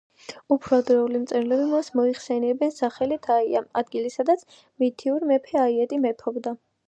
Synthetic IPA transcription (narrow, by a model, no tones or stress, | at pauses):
upʰɾad̪ɾɛulimt̪sʼɛɾlɛbimasmɔiχsɛniɛbɛnsaχɛlit̪ʰaia̰ad̪ɡilisad̪at̪sʰ | mit̪ʰiuɾimɛpʰɛaiɛt̪ʼimɛpʰɔbd̪a